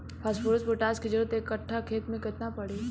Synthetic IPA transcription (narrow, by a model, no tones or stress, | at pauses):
pʰaːspoːɾʊsbʊʈaːskid͡ʒɐɾət̪eːkːɐʈʰːakʰeːt̪mẽkɪt̪napɐɽiː